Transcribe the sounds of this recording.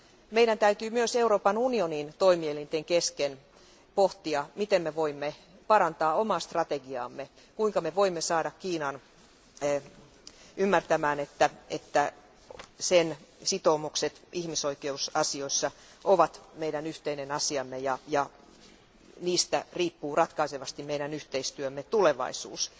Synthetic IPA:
meiɾænt̪æyt̪yːmyøseuɾoːpɑnunionint̪oimielint̪eŋkesken | poht̪iɑmit̪emmeʋoimːe | pɑɾɑnt̪ɑːomɑːst̪rɑt̪eɡiɑ̰ːmːe | kuiŋkɑmeʋoimːesɑːdɑkkiːnɑn | ymːært̪æmæːnet̪ːæet̪ːæ | sensit̪oːmukset̪ihmisoikeusɑsioisːɑ | ʔoʋɑt̪meiɾænyht̪einenɑsiɑmːejɑjɑ | niːst̪æ̰riːpːuːrɑt̪kɑiseʋɑst̪immeiɾænyht̪eist̪yømːet̪uleʋɑ̰isṵːs

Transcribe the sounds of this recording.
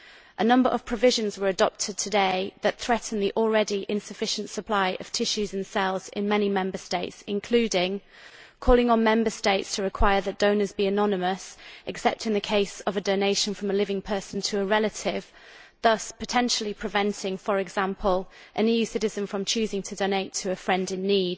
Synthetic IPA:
ʔənʌ̃mbə̰ɹʔəv̥pʰɹ̥əvɪʒə̃nzwəɹədɒp̚tʰɪd̚tʰədeɪðət̪θɹɛʔn̩ðiʔɔlˠɹɛdiʔɪ̃nsəfɪʃə̃ntsəpʰl̥aɪʔə̰v̥tʰɪʃʉzə̃nsɛlˠz̥ɪ̰̃nmɛnimɛ̃mbəsteɪtsɪ̃nkʰl̥ʉːdɪ̃ŋ | kʰɔːlɪ̃ŋə̃nmɛ̃mbəsteɪtstʰəɹɪkʰw̥aɪəðət̚d̥ə̃ʊ̃nəzbiənɒnɪməsʔɨksɛp̚tɨ̃nðəkʰeɪsəvədəʊneɪʃə̃nfɹə̃məlɪvɪ̃ŋpʰɜˑsən̩tʰəːɹɛlətʰɪv̥ | ðʌspʰətʰɛ̃nʃl̩ˠipʰɹ̥ɪvɛ̃ntʰɪ̃ŋfəɹɪɡz̥ãmpʰəlˠ | ʔənijʉsɪɾɪzə̃nfɹə̃mt͡ʃʰʉːzɪ̃ŋtʰədəʊneɪtʰəːfɹɛ̃ndɪ̃nːiːd̥

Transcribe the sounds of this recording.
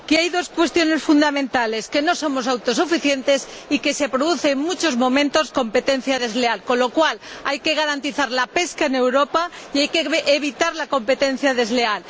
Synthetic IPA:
keajðo̞skwe̞st̪jo̞ne̞sfund̪amẽnt̪ale̞ske̞no̞so̞mo̞s̬awt̪o̞s̬ufiθje̞nt̪e̞s | ike̞se̞pɾoðuθe̞ːŋmut͡ʃo̞zmõ̞mẽ̞nt̪o̞sko̞mpe̞t̪e̞n̟θjaðe̞zle̞alko̞nlo̞kwalajke̞ɣ̞aɾant̪iθaɾlape̞skaene̞wɾo̞paiajkeʔeβit̪aɾlako̞mpe̞t̪e̞n̟θjaðe̞zle̞al

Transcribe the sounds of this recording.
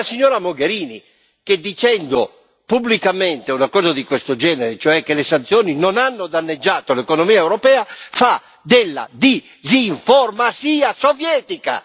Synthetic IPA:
asiɲːɔːɾamoɡeɾiːnḭ | k̟ed̪it͡ʃɛnd̪o | publikament̪eunakɔːzad̪ikwest̪od͡ʒɛːneɾet͡ʃoɛkːelesant̪sjɔːninonanːod̪anːed͡ʒːaːt̪olekonomiːaewɾɔpɛːafa | d̪elːa̰d̪i | ziɱformasiːasovjɛːt̪ika̰

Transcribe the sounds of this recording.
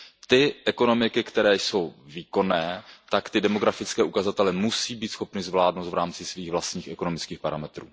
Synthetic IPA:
t̪ɪʔɛko̞no̞mɪkɪkt̪ɛɾɛːjso̞wviːko̞nɛːt̪akt̪ɪdɛmo̞ɡɾafɪt͡skɛːʔukazat̪ɛlɛmusiːbiːt̪sxo̞pnɪzvlaːdnowt̪vɾaːmt͡sɪsviːɣvlast̪ɲiːxɛko̞no̞mɪt͡skiːxpaɾamɛt̪ɾṵː

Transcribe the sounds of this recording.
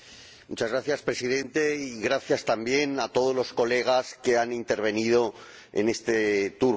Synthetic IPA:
mut͡ʃazɣɾaθjaspɾe̞siðẽ̞nt̪e̞iɣɾaθjast̪ambje̞nat̪o̞ðo̞zlo̞sko̞le̞ɣ̞aske̞anint̪e̞ɾβ̞e̞nið̞o̞ | ḛne̞st̪et̪uɾ

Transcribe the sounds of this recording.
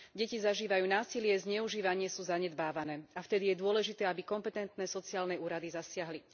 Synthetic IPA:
ɟɛcizaʒiːʋajuːnaːsilɪɛzɲɛuʒiːʋaɲɪɛsuːzaɲɛd̪baːʋanɛːaft̪ɛd̪ijɛd̪ʊɔlɛʒit̪ɛːabikɔmpɛt̪ɛnt̪nɛsɔt͡siaːlnɛuːɾad̪izasɪaɦli

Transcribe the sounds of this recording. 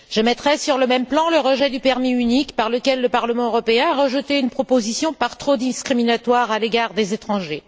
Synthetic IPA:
ʒ̥əmɛt̪χɛsyʁləmɛmplɑ̃ləʁəʒɛd̪ypɛʁmiynikpaʁləkʲɛlːəpaʁləmɑ̃øʁɔpeɛ̃aʁəʒət̪eynpχɔpozisjɔ̃paʁt̪χod̪iskχiminat̪waʁaleɡaʁd̪ezet̪χɑ̃ʒe

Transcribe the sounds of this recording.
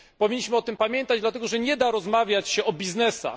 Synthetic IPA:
pɔvʲiɲːiɕmɘɔt̪ɘmpamʲjɛnt̪ad͡ʑd̪lat̪ɛɡɔʐɛɲɛd̪aɾɔzmavʲjat͡ɕɕɛʔɔbʲiznɛsa̰

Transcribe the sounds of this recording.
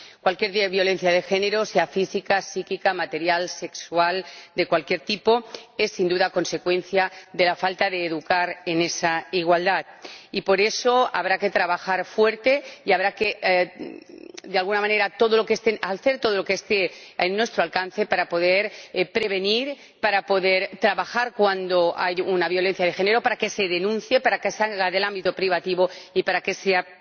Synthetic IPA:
kwalkje̞ɾðβjo̞le̞n̟θjað̞e̞xe̞ne̞ɾo̞seafisikasikikamat̪e̞ɾjalse̞ksuald̪e̞kwalkje̞ɾt̪ipo̞e̞sːind̪uðako̞nse̞kwẽ̞nθjaðe̞lafalt̪aðe̞ːðukaɾenesaiɣ̞wald̪at̪̚ipo̞ɾe̞so̞aβ̞ɾake̞t̪ɾaβaxaɾfwe̞ɾt̪e̞iaβɾake | d̪ealɣunamãne̞ɾat̪o̞ð̞olokest̪ealθe̞ɾt̪o̞ð̞o̞lokeest̪eenːwe̞st̪ɾoalkan̟θe̞paɾapo̞ð̞eɾpɾe̞β̞e̞niɾ | paɾapo̞ðeɾt̪ɾaβaxaɾkwand̪o̞a̰junaβjo̞le̞n̟θjað̞e̞xe̞neɾo̞paɾake̞se̞ðe̞nũn̟θje̞paɾakeseaɣaðe̞lãmbit̪opɾiβat̪iβoipaɾake̞sea

